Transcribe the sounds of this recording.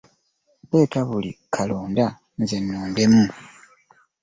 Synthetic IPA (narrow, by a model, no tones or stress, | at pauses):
βeːkaβulḭkʰaloːnda | nzenːoːnde̞mu